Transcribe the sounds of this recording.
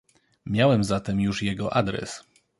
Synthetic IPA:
mʲjawɛmzat̪ɛmjuʂjɛɡɔʔad̪ɾɛ̰s

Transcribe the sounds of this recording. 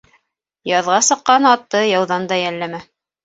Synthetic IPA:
jɑðʁɑsɤ̆qːɑnɑt̪ːɤjɑwðɑnd̪ɑjælːæmæ

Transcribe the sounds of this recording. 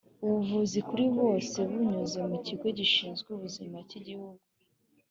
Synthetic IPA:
uβuvuzikuɾiβo̞ːse̞βuɲuze̞muciɡwo̞ɟiʃiːnzɡuβuzimaciɟihuɡu

